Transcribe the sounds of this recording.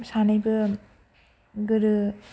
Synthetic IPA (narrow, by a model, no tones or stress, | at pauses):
sanajbɯ | ɡɯɾɯ